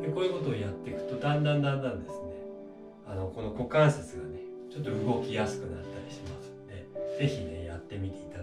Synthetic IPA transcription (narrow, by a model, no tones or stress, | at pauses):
d̪eko̞ːjɯ̟ko̞t̪o̞ːjat̪ːe̞kɯ̟̥t̪o̞d̪ãnd̪ãnãnd̪ãnd̪e̞sɨne̞ | ano̞ko̞no̞ko̞kãɰ̃sat͡sɨɡane̞ | t͡ɕo̞t̪ːo̞ɯ̟ɡo̞kʲijasɨ̥kɯ̟nat̪ːaɾʲiɕimasɨ̥nod̪eze̞çine̞jat̪ːe̞mʲit̪e̞it̪a